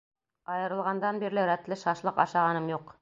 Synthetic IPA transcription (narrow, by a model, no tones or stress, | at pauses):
ɑjɤ̆ɾɤ̆lˠʁɑnd̪ɑnbiɾlɘɾæt̪lɘʃɑʃlˠɤqɑ̰ʃɑʁɑnɤmjuq